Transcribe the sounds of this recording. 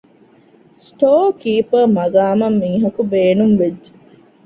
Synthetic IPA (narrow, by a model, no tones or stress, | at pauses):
sʈoːkiːpɐɾmɐɡaːmɐmːiŋɦɐkubeːnumʋedd͡ʒe